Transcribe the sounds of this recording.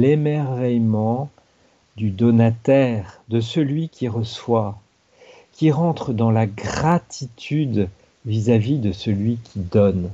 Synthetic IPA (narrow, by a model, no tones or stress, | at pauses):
lemɛʁvɛjmɑ̃ | d̪yd̪ɔnat̪ɛʁd̪əsəlɥikʰʲiʁəswa | kʲiʁɑ̃t̪χd̪ɑ̃laɡʁat̪ʰit̪ʰyd̪ | vizavid̪əsəlɥikʲʰid̪ɔn